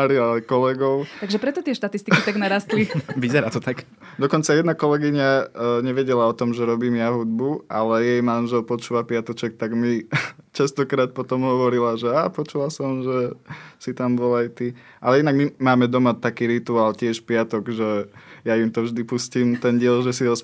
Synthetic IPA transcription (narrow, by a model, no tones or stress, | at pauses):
aɾiaajkɔlɛɡɔʊt̪aɡʒɛpɾɛt̪ɔt̪ɪɛʃt̪at̪ist̪ikit̪aɡnaɾast̪liʋizɛɾaːt̪ɔt̪ak | d̪ɔkɔnt͡sajɛd̪nakɔlɛɡiɲaɲɛʋɛɟɛlaɔt̪ɔmʒɛɾɔbiːmjaɦud̪̚bua̰lɛjɛjmanʒɛlpɔt͡ʃuːʋapɪat̪ɔt͡ʃɛk̚t̪aɡmit͡ʃast̪ɔkɾaːt̪̚pɔt̪ɔmɦɔʋɔɾilaʒɛapɔt͡ʃulasɔmʒɛsit̪ambɔlajt̪i | ʔalɛinaɡmimaːmɛd̪ɔmat̪akiːɾit̪uaːlcɪɛʃpɪat̪ɔɡʒɛjaimt̪ɔvʒd̪ipusciːmt̪ɛnɟɪɛlʒɛsiɔs